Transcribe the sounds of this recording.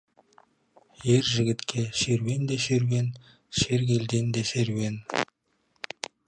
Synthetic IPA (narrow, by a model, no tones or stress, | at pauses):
jeɾʒɪ̆ɡʲɪ̆t̪kʲʰeʃeɾwend̪eʃeɾwen | ʃeɾɡʲeld̪end̪eʃeɾwen